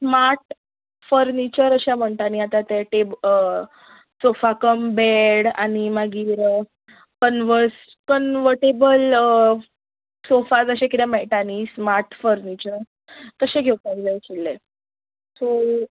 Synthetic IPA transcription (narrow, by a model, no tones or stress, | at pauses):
smaɾʈ | fəɾnit͡ɕəɾəɕam̤əɳʈ̪aniat̪at̪eʈeb | sofakəmbeɽa̰nimaɡiːɾ | kənʋəɾs | kənʋəɾʈebəl | sofad͡zəɕẽkit̪ɛ̃mɛʈanismaɾʈfəɾnit͡ɕəɾ | kəɕẽɡʱewtãɡlajt͡ɕilːe | so